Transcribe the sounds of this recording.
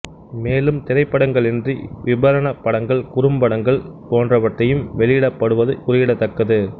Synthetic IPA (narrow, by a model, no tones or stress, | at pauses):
meːlɯmt̪ɪɾɐɪpːɐɽɐŋɡɐɭɪndriʋɪbɐɾɐɳɐpːɐɽɐŋɡɐɭkʊɾɯmbɐɽɐŋɡɐɭpoːndrɐʋɐʈrɐjɯmʋɛɭɪjɪɽɐpːɐɽɯʋɐðɯkʊrɪjɪɽɐt̪ːɐkːɐðɯ